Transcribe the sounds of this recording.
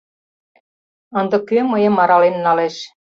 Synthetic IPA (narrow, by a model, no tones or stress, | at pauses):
ənd̪ɤ̆køməjə̆mɑɾɑlenːɑleʃ